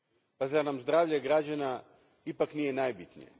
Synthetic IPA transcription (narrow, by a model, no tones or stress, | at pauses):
pazanamzd̪ɾaːvʎaɡɾad͡ʑana | ipaknijenaːjbit̪nḭjḛ